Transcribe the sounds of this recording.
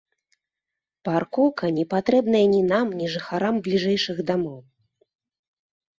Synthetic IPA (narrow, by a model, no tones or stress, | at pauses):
parkɔkɐnʲɛpat̪ɾɛbnɐjɐnʲinamnʲiʐɨxaɾamblʲiʐɛjʂɨɣd̪amɔw